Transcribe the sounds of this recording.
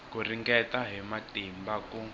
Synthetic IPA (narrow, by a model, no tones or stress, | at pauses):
kuriŋɡɛtaɦɛmatimbaku